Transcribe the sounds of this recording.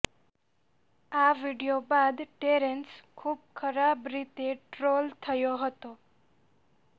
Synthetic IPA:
aʋiɖijobad̪ʈeɾeɳʈskʰub̚kʰəɾabɾit̪eʈɾolt̪ʰəjoɦət̪o

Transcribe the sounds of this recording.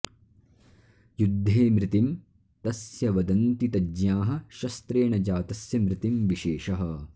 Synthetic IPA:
jud̪ʱːeːmɾɪt̪im | t̪ɐsjɐʋɐd̪ɐnt̪it̪ɐd͡ʒjaːɦɐ̆ʃɐst̪ɾeːɳɐd͡ʒaːt̪ɐsjɐmɾɪt̪imʋiʃeːʃɐɦɐ̆

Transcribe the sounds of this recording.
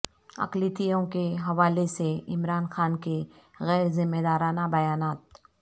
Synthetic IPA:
ɐ̰qlit̪ijõkeɦɐʋaːleseɪmɾaːnxaːnke | ɣɛːɾzɪmːed̪aːɾaːnabɐjaːnaːt̪̚

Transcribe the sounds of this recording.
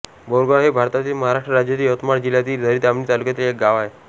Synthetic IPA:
bɔɾɡaɦebʱaɾt̪at̪iːlməɦaɾaʂʈɾəɾad͡ʑjat̪iːət̪maɽd͡ʑilat̪iːld̪ʱəɾiːt̪amniːt̪alukjat̪iːlek̚ɡaʋae

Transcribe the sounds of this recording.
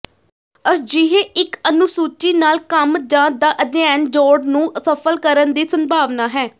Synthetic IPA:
əsd͡ʒɪɦeːɪkənʊsuːt͡ʃiːnaːlkəmd͡ʒãːd̪aːʔəd̪jaːnd͡ʒɔːɾɖnũːsəfʰəlkəɾənd̪iːsəmbʱaːʋnaːɦɛː

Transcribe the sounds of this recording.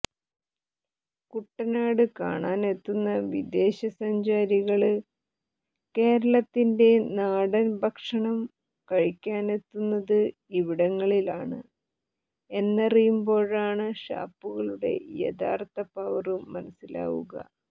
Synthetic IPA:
kuʈːɐnaːɽɨka̰ːɳaːne̞t̪ːunːɐʋid̪e̞ːɕɐsɐɲd͡ʑaːɾiɣɐɭ | ke̞ːɾɐɭɐt̪ːinde̞naːɽɐnbʱɐkʂɐɳɐm | kɐɻikʲːaːne̞t̪ːunːɐðɨiʋiɽɐŋːɐɭilaːɳɨ̰ | e̞nːerijumbo̞ːɻaːɳɨɕa̰ːpːuɣɐɭuɽe̞̰jɐ̰d̪a̰ːrt̪ɐpaːʋɐrɨmɐnɐsila̰ːɣṵɣɐ̰

